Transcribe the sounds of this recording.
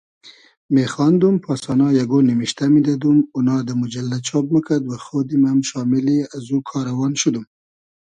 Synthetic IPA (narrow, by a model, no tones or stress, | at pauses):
mexɑnd̪umpʰɑsɑnɑjaɡonimiʃt̪amid̪ad̪umʊnɑd̪əmʊd͡ʒalːat͡ʃʰɑb̚məkʰad̪waxod̪imamʃɑmɪliazukʰɑɾawɑnʃud̪um